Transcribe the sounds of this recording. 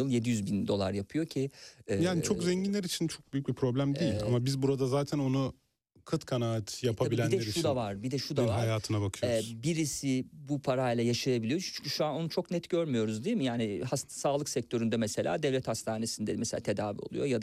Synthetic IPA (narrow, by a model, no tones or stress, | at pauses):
ɯlˠje̞d̪ijyzbind̪o̞lˠa̰ɾjapʰɯjo̞cʰiɛːjaːnit͡ʃʰokzɛɲɟinlʲeɾit͡ʃʰint͡ʃʰo̞k̚byjyc̚bipʰɾo̞blʲæmd̪ejilʲamabizbuɾad̪azaːt̪ʰæno̞nu | kʰɯt̪kʰanaːat̪ʰjapʰabilʲæind̪ɛɾiʃud̪avaɾbid̪ɛʃud̪avaɾajaːt̪ʰɯnabakʰɯjoɛbiɾisibupʰaɾajlˠajaʃajabilʲijot͡ʃʰt͡ʃʰyncʰyʃuano̞nut͡ʃʰo̞knɛt̪ɟøɾmyjo̞ɾuzd̪ijimijaːnɪhassaːlˠɯksɛc̚t̪ʰøɾynd̪ɛmɛse̞lʲa̰ːd̪ɛvlʲɛt̪hast̪ʰaːne̞sind̪ɛmɛselʲa̰ːt̪ʰe̞d̪aːvḭo̞̰lˠṵjo̞jad̪a